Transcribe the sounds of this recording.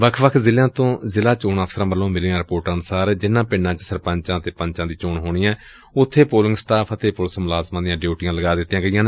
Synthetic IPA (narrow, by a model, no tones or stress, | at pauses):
ʋəkʰʋəkʰzɪljãːt̪õːzɪlaːt͡ʃoːɳəpʰsəɾãːbəlːõːmɪlːãːɾɪpoːɾʈanʊsaːɾd͡ʒɪnːãːpɪɳːãːt͡ʃəsəɾpəɲt͡ʃãːət̪eːpə̃ɲt͡ʃãːd̪iːt͡ʃoːɳɦoːɳiːãː | ʊt̪ʰːeːpoːlɪŋɡsʈaːpʰət̪eːpʊlsmʊlaːzmãːd̪ɪjãːɖjeuːʈɪjãːləɡaːd̪ɪt̪ːiãːɡəijãːne